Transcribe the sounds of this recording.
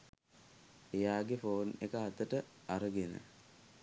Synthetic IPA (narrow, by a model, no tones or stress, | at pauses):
ejaːɡefoːnekəɦat̪əʈəaɾəɡenə̰